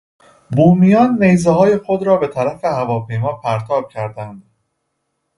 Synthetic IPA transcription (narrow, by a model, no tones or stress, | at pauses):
buːmijɒːnːe̞jzeɦɒːje̞xo̞d̪ɾɒːbe̞t̪ʰæɾæfe̞hævɒːpʰe̞jmɒːpʰæɾt̪ʰɒːb̥̚cʰæɾd̪ænd̪̥